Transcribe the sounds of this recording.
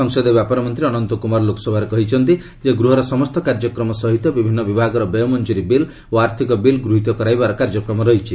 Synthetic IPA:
ɔŋsɔd̪ebjapɔɾɔmɔnt̪ɾiɔnɔnt̪ɔkumaɾlokʰɔ̥sɔbʱaɾɔkɔɦit͡ʃʰɔnt̪i | d͡ʒeɡɾuɦɔɾɔsɔmɔst̪ɔkaɾd͡ʒɔkɾɔmɔsɔɦit̪ɔbibʱinːɔbibʱaɡɔɾɔbejɔmɔnd͡ʒuɾibil | oaɾt̪ʰikɔbilɡɾuɦit̪ɔkɔɾajbaɾɔkaɾd͡ʒɔkɾɔmɔɾɔɦit͡ʃʰi

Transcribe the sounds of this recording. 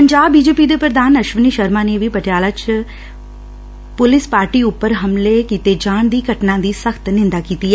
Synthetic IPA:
pəɲd͡ʒaːbːiːd͡ʒeːpiːd̪eːpɾəd̪aːnəʃʋniːʃəɾmaːneʋiːpəʈejaːlaːt͡ʃ | pʊlɪspaːɾʈiːʊpːəɾɦəmlekiːt̪eːd͡ʒaːɳd̪iːɡʱəʈnãːd̪iːsəkt̪nɪ̃nd̪aːkiːt̪iːɛː

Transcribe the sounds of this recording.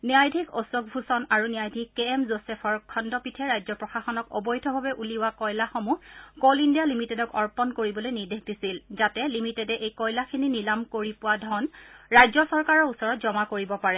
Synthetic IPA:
niajdʱikʰɔsɔɡ̚bʱusɔnaɹuniajdʱikːɛɛmzosɛpʰɔɹkʰɔndɔpitʰɛɹajzɔpɹɔxaxɔnɔkɔ̰bɔjdʱɔbʱabɛʔuliʊwakɔjlaxɔmukɔlindijalimitɛdɔkɔɹpɔnkoɹibɔlojniɹdexdisilzatɛlimitɛdɛʔejkɔjlakʰininilamkoɹipʊwadʱɔnɹajzɔsɔɹkaɹɔɹusɔɹɔt̚zɔmakoɹibɔpaɹɛ

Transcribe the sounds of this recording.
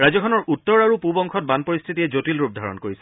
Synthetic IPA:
ɹazɔkʰɔnɔɹutːɔɹaɹupubɔŋkʰɔt̚banpoɹist̪ʰitijɛzotilɹup̚d̪ʱaɹɔ̰nkoɹisɛ

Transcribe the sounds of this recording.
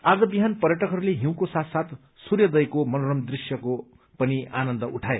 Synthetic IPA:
ad͡zʌbiɦanpʌrjʌʈʌkɦʌɾuleɦiw̃kosat̪sat̪ | surjʌd̪ʌjkomʌnorʌmd̪risjʌko | pʌnianʌnd̪ʌʔuʈʰae

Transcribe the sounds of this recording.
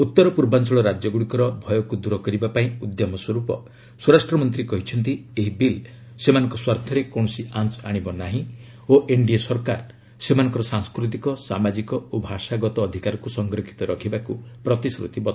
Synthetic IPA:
ut̪ːɔɾɔpuɾbant͡ʃɔɭɔɾad͡ʒjɔɡuɽikɔɾɔbʱɔjɔkud̪uɾɔkɔɾibapaĩud̪jɔmɔswɔɾupɔ̰ | suɾasʈɾɔmɔnt̪ɾikɔɦit͡ʃʰɔnt̪ieɦibil | semanɔ̃ŋkɔswaɾt̪ʰɔɾekɔ̃ɔsiant͡ʃaɽ̃ibɔnaɦĩ | oʔeɳɖiesɔɾkaɾ | semanɔ̃ŋkɔɾɔsaŋskɾut̪̬ikɔsamad͡ʒikɔobʱaʃaɡɔt̪ɔːd̪ʱikaɾɔkusɔŋɡɾɔkʰi̥t̪ɔɾɔkʰibakupɾɔt̪isɾṵt̪ibɔt̪

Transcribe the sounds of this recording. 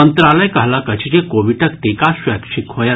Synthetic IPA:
ənt̪ɾaləjkaɦlakɐt͡ʃʰid͡ʑekoʋiʈʰəkt̪ikaɕʋɛkʂikɦoja

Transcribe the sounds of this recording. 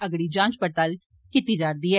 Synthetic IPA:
əɡɽiːd͡ʒãːt͡ʃpəɾt̪al | kit̪iːd͡ʒaːɾd̪iːɦɛː

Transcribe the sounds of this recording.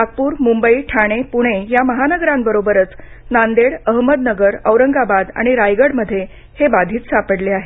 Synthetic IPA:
ak̚puːɾmumbəiʈʰaɽ̃epuɽ̃ejaməɦanəɡɾãmbəɾobəɾət͡s | nand̪eɽəɦməd̪nəɡəɾəʋɾəŋɡabad̪a̰ɽ̃iɾajɡəɽməd̪ʱːje | hebad̪ʱiːt̪sapəɽleaɦe

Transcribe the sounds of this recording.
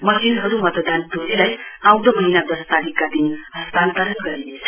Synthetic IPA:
mʌsinɦʌɾumʌt̪d̪ant̪uɾilajãw̃d̪ʌmʌɦinad̪ʌst̪aɾikːad̪inɦʌst̪ant̪ʌɾʌnɡʌɾinet͡sʰʌ

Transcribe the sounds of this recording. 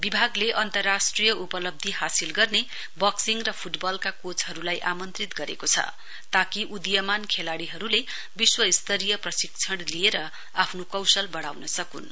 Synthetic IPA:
bibʱaɡleʔʌnt̪ʌrːasʈrijʌupʌlʌb̚d̪ʱiɦasilɡʌrne | bʌksiŋrʌpʰuʈbʌlkakot͡sɦʌɾulajʔamʌnt̪rit̪ɡʌɾḛkot͡sʰʌ̰ | t̪akiʔud̪jʌmankʰelaɽiɦʌɾule | biswʌist̪ʌɾijʌprʌsik̚t͡sʰʌɽlieɾʌ | apʰnokʌwsʌlbʌɽawnʌsʌkun

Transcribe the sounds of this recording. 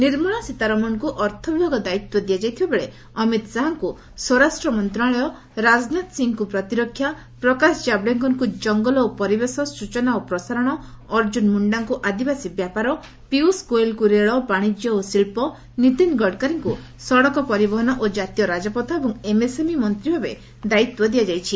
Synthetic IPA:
niɾmɔɭ̃asit̪aɾɔmɔnkuʔɔɾt̪ʰɔbibʱɔɡɔd̪ait̪wɔd̪ijad͡ʒajt̪ʰibebeɭe | ɔmit̪saɦaŋku | sɔɾasʈɾɔmɔnt̪ɾaɭɔjɔ | ɾad͡ʒnat̪siŋkupɾɔt̪iɾɔkʰːja | pɾɔkasɔd͡ʒabɽeŋkɔŋkud͡ʒɔŋɡɔlɔopɔɾibesɔsut͡ʃɔnaopɾɔsaɾɔɽ̃ɔɔɾd͡ʒunmuɳɖaŋkuʔad̪ibasibjapaɾɔ | piuskoelkuɾeɭɔbaɽ̃id͡ʒjɔosiɭpɔ | nit̪inɡɔɽkaɾiŋku | sɔɽɔkɔpɔɾibɔɦɔnɔʔod͡ʒat̪ijɔɾad͡ʒɔpɔt̪ʰaebɔŋemesemimɔnt̪ɾibʱabḛ | d̪ait̪wɔd̪iad͡ʒajt͡ʃʰi

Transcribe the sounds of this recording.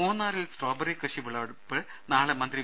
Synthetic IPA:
uːnːaːɾilsʈoːbɐɾikrɨʂiʋiɭɐɽupːɨ | naːɭemɐnd̪ɾi

